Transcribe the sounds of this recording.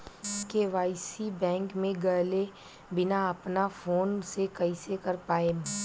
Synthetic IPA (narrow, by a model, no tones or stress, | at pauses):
keʋaːɪsibɛ̃ːŋkmẽɡɐɦle | bɪnaɐpnafoːnsekɐɪsekɐɾpaːeː